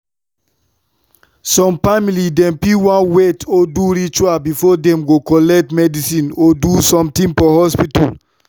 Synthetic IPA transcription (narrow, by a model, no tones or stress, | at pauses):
sɔ̃mfamilidɛ̃mpiwãnwetʰoduɾit͡ʃuabifɔdɛ̃mɡokɔlɛk̚tmɛdisĩnodusɔ̃mtĩnfɔhɔspita̰l